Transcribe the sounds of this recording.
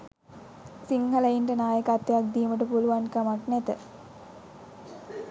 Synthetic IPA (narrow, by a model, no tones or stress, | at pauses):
siŋɦɐlɐjinʈənaːjəkat̪ːejak̚d̪iːməʈəpuluʋankamaknæt̪ə